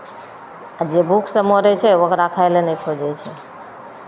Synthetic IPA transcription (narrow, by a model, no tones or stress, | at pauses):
ad͡ʒebʱukʰsəmoɾet͡ʃʰeʋəkɾakʰajlenekʰod͡ʒet͡ʃʰe